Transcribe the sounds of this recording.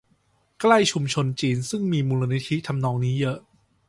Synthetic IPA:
kla˥˩jt͡ɕʰu˧mt͡ɕʰo˧nt͡ɕiː˧nsɯ˥˩ŋmiː˧muː˧la˧ni˦˥t̪ʰi˦˥t̪ʰa˧mnɔː˧ŋniː˦˥jɤ˦˥ʔ

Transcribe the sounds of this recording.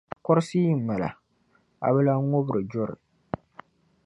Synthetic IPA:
kɔ˦ɾɨ˦siː˦˨m̩˨ma˨la̰˨ | a̰˨bɛ˦la˦o˦bɨ˨ɾɨ˨d͡ʒɔ˦ɾɨ̰˨

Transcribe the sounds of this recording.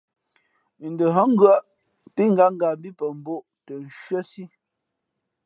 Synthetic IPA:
n̩˨də˨ɦɔ˦ŋ̩˦ɡɰə˦ʔ | pi˦ŋ̩˦ɡa˨˦ŋ˦ɡa˨m˦bi˦pə˨m̩˨bo˦˨ʔ | tə˨n̩˨ʃɥə˦si˦

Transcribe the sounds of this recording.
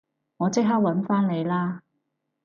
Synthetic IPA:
ŋɔː˨˧t͡sɪ˥k̚ɦɐ˥k̚wɐ˨˥nfaː˥nne˨˧jlaː˥

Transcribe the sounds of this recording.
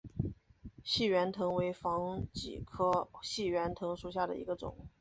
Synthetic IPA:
ɕi˥˩ɥɛ˧˥nt̪ʰɤ˧˥ŋwe˧˥ɪfɑ˧˥ŋt͡ɕḭ˨˩kʰɤ˥ɕi˥˩ɥɛ˧˥nt̪ʰɤ˧˥ŋʂu˧˩ɕ̬ja˥˩d̪ə̰˩ḭ˧˥ɡə˧ʈ͡ʂʊ̰˨˩˦ŋ

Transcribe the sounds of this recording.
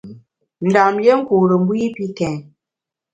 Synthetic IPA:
n̩˨da˨mje˦ŋ̩˦ku˨ɾə˨m̩˦bwi˦pi˦kɛ̃˨ŋ

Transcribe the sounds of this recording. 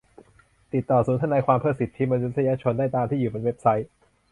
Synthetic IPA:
t̪i˨˩t̪ːɔː˨˩suː˩˦nt̪ʰa˧naː˧jkʰwaː˧mpʰɯ˥˩si˨˩t̪ʰːi˦˥ma˧nu˦˥t̪ʰːa˧jaː˧˥t͡ɕʰo˧ndaː˥˩jt̪aː˧mt̪ʰiː˥˩juː˨˩be˧nwe˦˥p̚sa˦˥j

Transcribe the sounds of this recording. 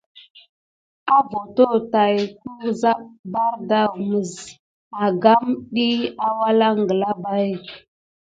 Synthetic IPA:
a˦vo˨to˦ta˨jku˦za˦p̚ba˦ɾda˦wmə˨z | a˨ɡa˦mɗi˦a˦wa˦la˦ŋ˨ɡə˨la˦ba˦j

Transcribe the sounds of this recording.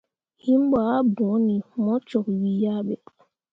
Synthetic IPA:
hi˦m̩˦ba˨a˦bɔ˨˦ni˨mɔ˦t͡ʃɔ˨ki˨wi˦˨ja˦˨ɓɛ˨

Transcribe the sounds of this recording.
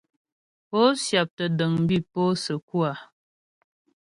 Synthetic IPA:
po˦sja˨p̚tə˨də˨ŋm̩˦bi˦po˦sə˨kwa˨

